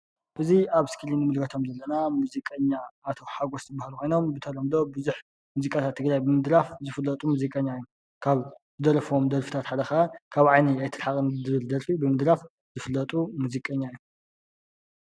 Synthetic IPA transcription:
ʔɨziaβskʰɨlinɨmɨlkʰɐt̪ʰomzɐlːɐnamuzikʼɐɲːaːt̪ʰo̞ħaɡost̪ʰɨbːahlukʰo̞jno̞mbɨt̪ʰɐɾɐmd̪o̞bɨzuħ | muzikʼat̪ʰat̪ʰːɨɡɾajbɨmɨd̪ɾafzɨfɨlːɐt̪ʼumuzikʼɐɲːajːu | kʰaβzɨd̪ɐɾɐfomd̪ɐɾfit̪ʰat̪ħad̪ɐxaakʰaβʕajniajt̪ʰɨɾħakʼɨnɨd̪ɨβɨld̪ɐɾfibɨmɨd̪ɾaf | z̥ɨfɨlːɐt̪ʼumuzikʼɐɲːaijːu

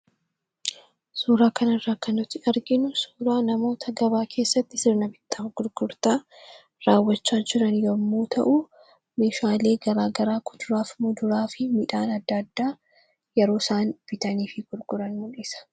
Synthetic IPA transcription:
suːɾaːkɐnɐrːaːkɐnʊt̪ːɪʔɐɾɡɪnʊsuːɾaːnɐmo̞ːt̪ʰɐɡɐbaːkʰe̞ːsːɐt̪ːɪsɪɾnɐbɪt̪ʰːaːɡ̥ʊɾɡ̥ʊɾt̪aː | ɾaːwːɐt͡ʃːaːd͡ʒɪɾɐnjɔmːuːt̪ʰɐ̰ʔu | me̞ːʃaːle̞ːɡɐɾaːɡɐɾaːkʊd̪ʊɾaːfmʊd̪ʊɾaːfɪmɪᶑaːnɐd̪ːɐd̪ːaː | jɛɾo̞ːsaːnb̥ɪt̪ɐniːfɪɡ̥ʊɾɡʊɾɐnːʊnɪsɐ̥

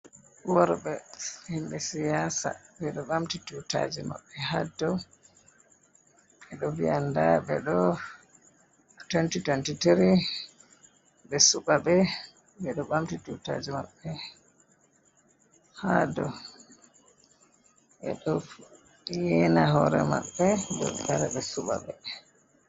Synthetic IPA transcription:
wɔɾbɛhimbɛsijasa̰bɛɗɔɓamtituta̰d͡ʒima̰ɓːɛhadːɔ | ɛɗɔviandabɛɗɔ | twɛntitwɛntitɾi | bɛsuɓabɛ | bɛɗɔɓamtituta̰d͡ʒima̰ɓːɛ | hadɔ | ʔɛ̰ɗɔ | jɛnaɦɔɾɛ̰ma̰ɓːɛdɔ̰taɾɛɓɛsuɓa̰ɓɛ

